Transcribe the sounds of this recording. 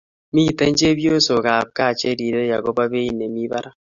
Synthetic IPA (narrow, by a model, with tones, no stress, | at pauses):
mi˦˨tɛ˦ɲ˦d͡ʒe˦bjo˦so˨ka˨p̚ka˦˨t͡ʃe˦ɾi˨ɾe˦ja˨ko˦ba˦βe˦i˨ne˨mi˦βa˦ɾa˦